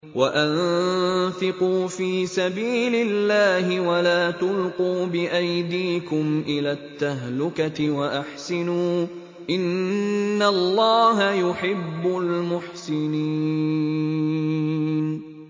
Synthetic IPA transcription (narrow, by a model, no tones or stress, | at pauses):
waʔan | θɪquːfiːsabiːlɪlːaːɦɪwalaːt̪ʊlquːbɪʔajd̪iːkʊmʔɪlaːt̪ːaɦlʊkat̪ɪwaʔaħsɪnuː | ʔɪnː | alːɑːɦajʊħɪbːʊlmʊħsɪniː | n